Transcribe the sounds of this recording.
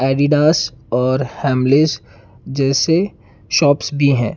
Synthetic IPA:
ɛːɖiɖaːsɔːɾhɛ̃ːmlez | d͡ʒɛːse | ʃɔːpsbʱiɦɛ̰̃ː

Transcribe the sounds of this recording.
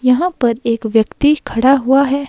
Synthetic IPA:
jɐɦãpɐɾeːkʋjɐkt̪ikʰɐɽaɦuaɦɛː

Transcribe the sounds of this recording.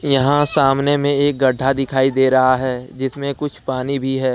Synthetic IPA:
jɐɦãsaːmnemẽeːk̚ɡɐɖʱːad̪ɪkʰaːid̪eːɾɐɦaɦɛːd͡ʒɪsmẽkʊt͡ʃʰpaːnibʱiɦɛː

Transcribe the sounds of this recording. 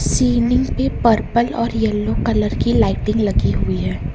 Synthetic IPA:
siːnɪ̃ŋɡpepɐɾpəlɔːɾjɛlːokɐləɾkilaːɪʈɪ̃ŋɡlɐɡiɦʊiɦɛː

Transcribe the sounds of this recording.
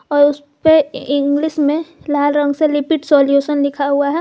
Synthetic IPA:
ɔːɾʊs | peɪ̃ŋɡlɪʃmẽlaːlɾə̃ŋɡselɪpɪʈsoːljuːʃənlɪkʰaɦʊaɦɛ

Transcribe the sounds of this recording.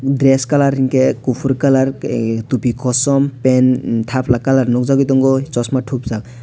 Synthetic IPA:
d̪ɾeskalaɾiŋkekupʰuɾkalaɾt̪upikɔsɔmpent̪ʰapʰlakalaɾnɔkzaɡit̪ɔŋɡɔt͡ʃɔsmaʈʰupzak

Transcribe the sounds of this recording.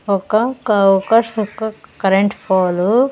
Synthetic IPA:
ɔkɐɔkɐɔkɐkɐɾeɳʈpʰoːlu

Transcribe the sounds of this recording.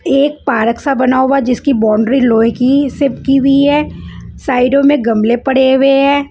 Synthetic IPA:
eːk̚paːɾəksabɐnaoʋad͡ʒɪskibɔːɳɖɾiloːɦkisɪpkiwiɦɛːsaːɪɖõmẽɡɐmlepɐɽ̤eɡɐeɦɛ̃ː

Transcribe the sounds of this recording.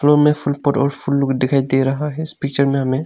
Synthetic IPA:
fʰloɾmẽpʰʊlpɔʈɔ̰ːɾpʰʊlːʊkd̪ɪkʰaːid̪eɾɐɦaɦɦɛspik̚t͡ʃəɾmẽɦəmẽ

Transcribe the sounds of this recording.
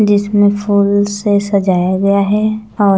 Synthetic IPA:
d͡ʒɪsmẽfʰuːlsesɐd͡ʒaːjaɡɐjaɦɛɔː

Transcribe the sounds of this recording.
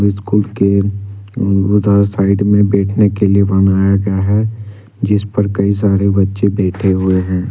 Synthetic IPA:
ɪskuːlke | ʊd̪ʱaːɾsaːɪɖmẽbɛːʈʰnekeliebɐnaːjaɡjaɦɛ | d͡ʒɪspɐɾkɐis̬aːɾebɐtːʃebɛːʈʰeɦʊeɦɛ̃ː

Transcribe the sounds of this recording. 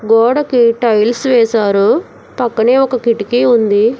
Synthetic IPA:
ɡɔːɽɐkiʈɐjlsʋɛːsaːɾu | pɐkːɐneːɔkɐkiʈikiund̪i

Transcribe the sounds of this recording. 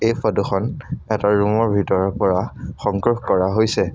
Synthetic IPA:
ejpʰɔduxʰɔnɛtaɹumɔɹbʱitɔɹɔpɔɹaxɔŋkɹuxkɔɹaɦojsɛ

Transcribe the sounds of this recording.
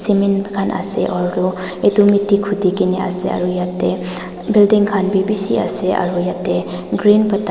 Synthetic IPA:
simenkʰanʔa̰sḛʔɔɾɾu | edumitikʰudikinea̰sea̰ɾujap̚te | bildiŋkʰanbibisia̰seʔa̰ɾujap̚te | ɡɾinpata

